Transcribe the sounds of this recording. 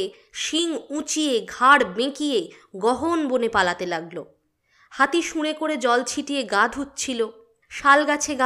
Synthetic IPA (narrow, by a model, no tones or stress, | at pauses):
ʃiŋũt͡ɕieɡʱaɽbẽkijeɡɔɦonbonepalat̪elaɡlo | hat̪iʃũɽekoɾed͡ʑɔlt͡ɕʰiʈieɡad̪ʱut̪ːt͡ɕʰilo | ʃalɡat͡ɕʰeɡa